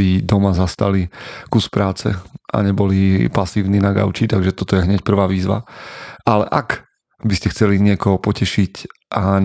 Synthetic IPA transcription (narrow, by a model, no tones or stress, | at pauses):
id̪ɔmazast̪alikuspɾaːt͡sɛ̰ʔa̰ɲɛbɔlipasiːʊninaɡa̰ʊt͡ʃit̪aɡʒɛt̪ɔt̪ɔjɛɦɲɛc̚pr̩ʋaːʋiːzʋa̰alɛ̰ʔak | biscɛxt͡sɛliɲɪɛkɔɦɔpɔcɛʃic | ʔa